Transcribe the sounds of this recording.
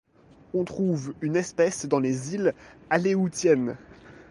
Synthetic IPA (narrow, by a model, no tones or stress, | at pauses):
ɔ̃t̪χuvynɛspɛsd̪ɑ̃lezilaleut̪jɛn